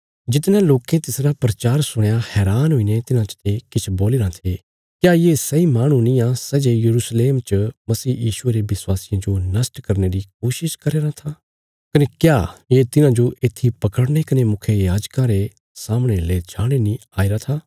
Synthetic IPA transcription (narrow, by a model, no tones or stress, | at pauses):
d͡ʒɪt̪nɛ̃loːkẽt̪ɪsɾapɾɐt͡ʃaːɾsʊɽ̃ejahɛːɾaːnɦoinet̪ɪnãt͡ʃt̪ekɪt͡ʃʰboːliɾãt̪ʰe | kjaːjeːsɐimaːɽ̃ũnĩjãsɛd͡ʒejɐɾuːsleːmt͡ʃəmɐsiːjiːʃʊeɾeʋɪswaːsɪjãd͡ʒonɐsʈkɐɾneɾik̚oːʃɪʃkɐɾeːɾãt̪ʰaː | kɐnekjaːjet̪ɪnãd͡ʒoʔeːt̪ʰːipɐkəɽñekɐnemʊkʰjejaːd͡ʒkãɾe | saːmɽ̃eleːd͡ʒʰaːɽ̃enĩaːiɾat̪ʰaː